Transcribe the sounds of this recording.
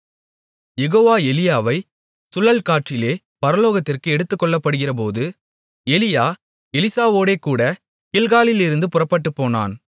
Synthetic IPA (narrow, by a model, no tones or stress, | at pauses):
jɛɣoːʋaːɛlɪjaːʋɐɪ | sʊlɐlkaːʈt͡ʃɪleː | pɐɾɐloːɣɐt̪ːɪrkɯɛɽɯt̪ːɯkːɔɭːɐpːɐɽɯɣɪrɐpoːðɯ | ɛlɪjaː | ɛlɪsaːʋoːɽeːkuːɽɐ | kɪlɣaːlɪlɪɾɯnd̪ɯpʊrɐpːɐʈːɯpːoːna̰ːn